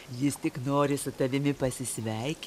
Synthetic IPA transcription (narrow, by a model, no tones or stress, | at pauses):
jɪst̪ʲɪknoːɾʲɪsʊt̪ɐʋʲɪmʲɪpɐsʲɪsʲʋʲɛɪkʲ